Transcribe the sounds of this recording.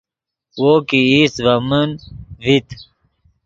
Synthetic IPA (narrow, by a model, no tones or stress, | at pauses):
wokiisvɐmənvit̪